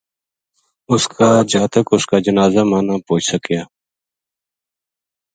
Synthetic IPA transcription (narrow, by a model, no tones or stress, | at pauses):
ʊskaːd͡ʒaːt̪əkʊskaːd͡ʒənaːzaːmaːnapoːt͡ʃʰsəkjaː